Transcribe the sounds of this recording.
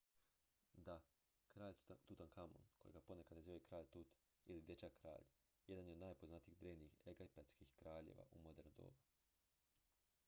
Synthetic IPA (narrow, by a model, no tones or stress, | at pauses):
d̪a | kɾaːʎt̪ut̪ankamo̰nkojeɡaponekad̪neziʋoekɾaːʎt̪ut̪ | ilid̪jet͡ɕakɾa̰ːʎ | je̞d̪anjeod̪naːjpoznat̪iːd̪ɾeːʋniixeɡaipat̪skixkɾaːʎḛʋa̰ʔumod̪eɾnd̪o̰ːba